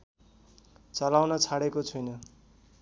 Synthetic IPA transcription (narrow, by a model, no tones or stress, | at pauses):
t͡sʌlawnʌt͡sʰaɽekot͡sʰujnʌ